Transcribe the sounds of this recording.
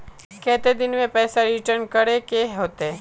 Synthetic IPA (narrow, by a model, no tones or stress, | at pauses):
kɛːt̪ed̪ɪnmẽpɛːsaɾɪʈəɾnkɐɽekeɦoːt̪eɛ